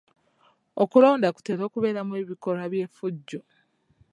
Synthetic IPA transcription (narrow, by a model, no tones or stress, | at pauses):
okulo̞ːndaku̥te̞ːɾo̞ːkuβe̞ːɾamue̞βiko̞ɾaβje̞ːfuɟːo